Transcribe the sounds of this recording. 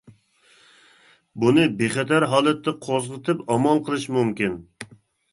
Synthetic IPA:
bunɨbeχɛt̪æɾɦɑːlˠɛt̪ːɛqʰozʁət̪ʰɨpɑmɑlˠqʰəlˠɨʃmumkʲɪn

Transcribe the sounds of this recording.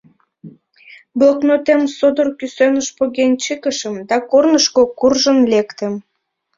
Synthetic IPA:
bloknot̪emsod̪orkysønəʃpoɣenʲt͡ɕəkəʃəmd̪ɑkornəʃkokurʒənlekt̪em

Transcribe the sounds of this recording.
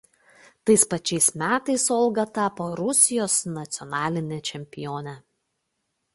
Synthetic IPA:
t̪ɐɪspɐt͡ʃʲɛɪsmʲæːt̪ɐɪsoːlˠɡɐt̪ɑpoːɾʊsʲɪjoːsnɐt̪sʲɪɔnɑːlʲɪnʲɛt͡ʃʲɛmʲpʲɪjoːnʲɛ

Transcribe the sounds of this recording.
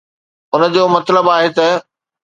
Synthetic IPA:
ʊnə̆d͡ʑoːmɐt̪ləbaːɦet̪ɐ

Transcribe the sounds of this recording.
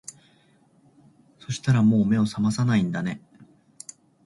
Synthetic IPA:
so̞ɕi̥t̪aɾamo̞ːme̞o̞samasanaĩnd̪ane̞

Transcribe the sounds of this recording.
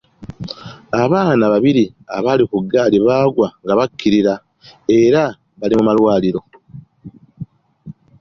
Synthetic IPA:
aβaːnaβaβiɾi | a̰βalikuɡːaːliβaːɡwaŋɡaβakʰːiɾiɾa | e̞ɾa | βalimumalwaːliɾo̞

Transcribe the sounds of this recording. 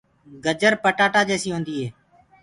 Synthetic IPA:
ɡəd͡ʒəɾpəʈaːʈaːd͡ʒeːsiːɦõːnd̪iːɦeː

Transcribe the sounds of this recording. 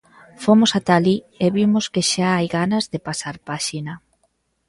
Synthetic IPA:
fomosat̪ali | eβimoskɪʃaajɣanɐzðepasaɾpaʃina

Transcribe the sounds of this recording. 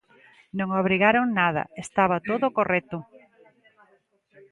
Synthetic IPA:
nõŋaβɾiɣaɾoŋnað̞ɐ̰est̪aβat̪oðʊkorɛt̪ʊ

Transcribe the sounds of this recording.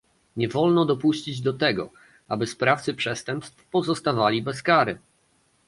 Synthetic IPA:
ɲɛvɔlnɔd̪ɔpuɕt͡ɕid͡ʑd̪ɔt̪ɛɡɔ̰ | abɘspɾaft̪sɘpʂɛst̪ɛmpst̪fpɔzɔst̪avalʲibɛskaɾɘ

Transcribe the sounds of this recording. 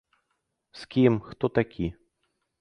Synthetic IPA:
skʲimxt̪ɔt̪akʲʰi

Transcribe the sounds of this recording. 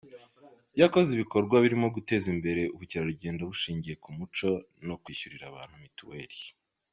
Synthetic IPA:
jako̞ziβiko̞ɾɡwaβiɾimo̞ɡute̞ːzimbe̞ɾe̞ʔuβuciɾaɾuɟe̞ːndaβuʃiːɲɟije̞kumut͡ʃo̞ | no̞kwiːuɾiɾaβa̰ːn̥humituweːɾi

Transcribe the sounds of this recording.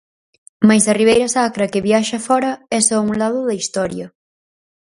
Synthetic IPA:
mɐjsɐriβ̞ejɾɐsakɾɐkɪβiaʃɐfɔɾɐɛsɔũŋlaðʊðɐist̪ɔɾjɐ

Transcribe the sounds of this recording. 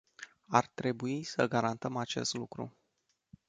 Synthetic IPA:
art̪ɾe̞buisəɡaɾant̪əmat͡ʃe̞̰st̪lukɾṵ

